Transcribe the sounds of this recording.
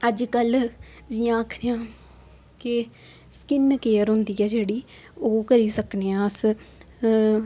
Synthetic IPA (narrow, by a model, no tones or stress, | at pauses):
əd͡ʒkəl | d͡ʒijãːəkʰɾeːãː | kɪ | skɪnkeːəɾɦʊnd̪iːɛːd͡ʒeːɽiː | oːkəɾiːsəkneːãːs